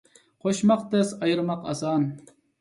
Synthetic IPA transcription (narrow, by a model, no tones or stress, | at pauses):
qʰoʃmɑqt̪ɛsɑjɾmɑqɑ̰sɑːn